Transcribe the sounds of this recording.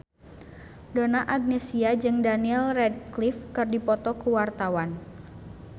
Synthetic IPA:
donaʔaɡ̚nesiad͡ʒɨŋdaniɛlrɛd̚klifkɨrdipɔt̪ɔkuwart̪awan

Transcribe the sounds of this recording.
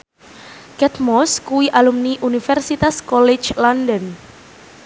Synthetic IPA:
kɛt̪̚mɔskuwiʔalumniʔunifɛrsit̪askɔlɛ̥t͡ʃlandən

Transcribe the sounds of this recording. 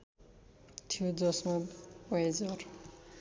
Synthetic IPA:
t̪ʰijod͡zʌsmabʌed͡zʌr

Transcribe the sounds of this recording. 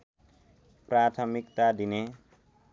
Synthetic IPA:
prat̪ʰʌmikt̪ad̪ine

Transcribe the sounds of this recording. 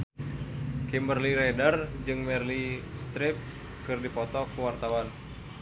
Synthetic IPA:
kimbərliɾɛdard͡ʒɨŋmɛrlist̪ɾɪp̚ | kɨrdipɔt̪ɔkuwart̪awan

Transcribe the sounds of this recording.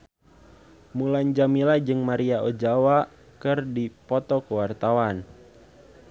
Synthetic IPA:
mulaɲd͡ʒamilad͡ʒɨŋmaɾiaɔd͡ʒawa | kɨrdipɔt̪ɔkəwart̪awan

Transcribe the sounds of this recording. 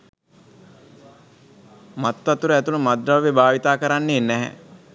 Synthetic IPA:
mat̪ːat̪uɾəæt̪unəmad̪ɾaʋʋebaːʋit̪aːkəɾanːeːnɛɦɛ̰

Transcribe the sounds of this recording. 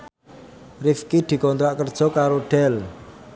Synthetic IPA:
rifkid̪̥i̤kɔnt̪ɾaʔkərd̥ʒ̥ɔ̤kaɾoɖ̥ɛl

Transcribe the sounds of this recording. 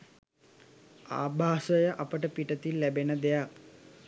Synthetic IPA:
a̰ːbʱaːsəjəʔapəʈəpiʈət̪ilːæbenəd̪ejak̚

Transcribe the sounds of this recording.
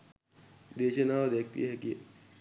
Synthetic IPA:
d̪eːʃenaːʋd̪eːk̚ʰt̪ḭɦɛki

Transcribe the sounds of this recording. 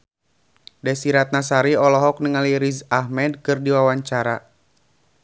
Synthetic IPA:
dɛsiɾat̪̚nas̬aɾiɔlɔɦɔk̚nəŋaliɾizahmɛd̚kɨrdiwawaɲt͡ʃaɾa

